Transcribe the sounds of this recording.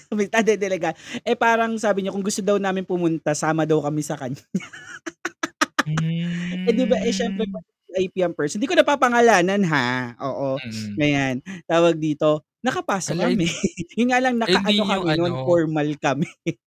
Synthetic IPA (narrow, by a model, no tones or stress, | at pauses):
mɐt̪ad̪ɛd̪ɐlɐɡaʔɛpaːɾɐŋsaːbɪɲakʊŋɡʊst̪od̪ɐwnaːmɪnpʊmʊnt̪asaːmɐd̪ɐwkɐmɛsɐkɐɲa | ʔɛd̪ɪbaʔɛʃɛmpɾɛpɐ | iʔɐjpiːʔɛmpɛɹsnd̪iːkonɐpapɐŋɐlaːnɐnɦaʔo̰ːʔoŋɐjant̪aːwɐɡ̚d̪iːt̪o̞ | nɐkɐpaːsokɐmɛjʊnŋaːlɐŋnɐkɐnʔɐnokɐmɛnonfoɹmɐlkɐmɛ